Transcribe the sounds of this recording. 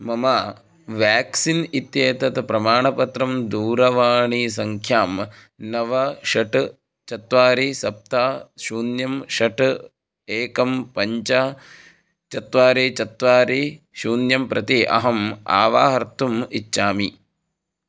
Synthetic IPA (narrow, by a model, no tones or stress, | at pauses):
mɐmaː | ʋjaːksinit̪jeːt̪ɐt̪pɾɐmaːɳɐpɐt̪ɾɐmd̪uːɾɐʋaːɳis̬ɐŋkʰjaːm | nɐʋɐʃɐʈ | t͡ʃɐt̪ʋaːɾisɐp̚t̪aːʃuːnjɐmʃɐʈ | eːkɐmpɐɲt͡ʃɐ | t͡ʃɐt̪ʋaːɾit͡ʃɐt̪ʋaːɾi | ʃuːnjɐmpɾɐt̪iɐ̰ɦɐma̰ːʋaːɦɐɾt̪umit͡ʃːʃaːmi